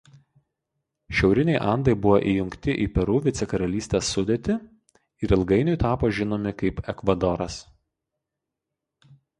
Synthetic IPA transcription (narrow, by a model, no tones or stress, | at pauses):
ʃʲɛʊɾʲɪnʲɛɪʔɐˑnd̪ɐɪbʊʋoʔiːjʊŋʲkt̪ʲɪʔiːpʲɛɾuːʋʲɪt̪sʲɛkɐɾɐlʲiːsʲt̪ʲeːsːʊd̪ʲet̪ʲɪ | ɪɾɪlˠɡɐɪnʲʊˑjt̪ɑːpoːʒʲɪnoːmʲɪkɐɪpɛkʋɐd̪ɔɾɐs